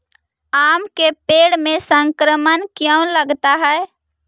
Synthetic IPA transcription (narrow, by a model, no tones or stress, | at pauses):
aːmkepeːɽmẽsə̃ŋkɾəmənkjə̃ʊ̃ləɡt̪aɦɛe